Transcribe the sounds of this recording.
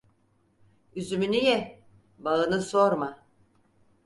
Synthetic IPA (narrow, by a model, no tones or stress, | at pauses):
yzymynyjɛ | baɯnɯsoɾma